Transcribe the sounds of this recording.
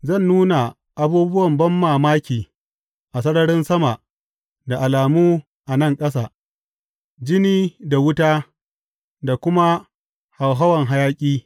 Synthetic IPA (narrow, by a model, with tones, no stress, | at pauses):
zɐ˦˨nːuː˦na˨ | ʔa˨buː˦bʊ˦wɐ˨mbɐ˦mːaː˨maː˦kʲiː˨ | ʔa˨sɐ˦ɽɐ˦ɽɪ˦nsɐ˦ma˨ | da˨ʔa˨laː˨muː˦ | ʔa˨nɐ˦ŋkʼɐ˦s̬aː˨ | d͡ʒɪ˦niː˦da˨wʊ˦taː˦ | da˨kʷʊ˦ma˦ | ha˨wɦɐ˦wɐ˨ŋɦa˦jaː˦kʲʼiː˦